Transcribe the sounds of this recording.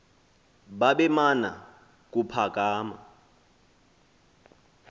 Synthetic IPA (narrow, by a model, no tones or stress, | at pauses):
ɓaɓɛmana̰ | k̬upʰak̬ʼaːma̰